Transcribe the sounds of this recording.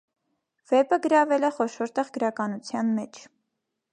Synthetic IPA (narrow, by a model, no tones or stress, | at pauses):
vɛpəɡəɾɑvɛlɛχɔʃɔɾt̪ɛʁɡəɾɑkɑnut͡sʰjɑnmɛt͡ʃʰ